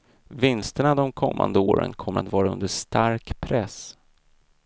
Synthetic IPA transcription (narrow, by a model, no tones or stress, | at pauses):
vɪnst̪əɳad̪ɔmkʰɔmːa̰nd̪əoːɾə̰nkʰɔmːəɾat̪vɑːɾaɵ̰nd̪əʂt̪aɾkpʰɾɛs